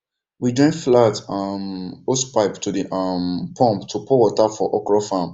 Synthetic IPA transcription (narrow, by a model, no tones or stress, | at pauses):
wid͡ʒɔ̃flatamospaɪptʰudiʔʌmpʰɔ̃mptʰupʰowɔtafɔʔɔkɹɔfãm